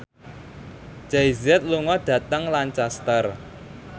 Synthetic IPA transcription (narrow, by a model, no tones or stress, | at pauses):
d͡ʒ̥ajzɛt̪̚luŋɔɖ̥ä̤t̪əŋlant͡ʃast̪ər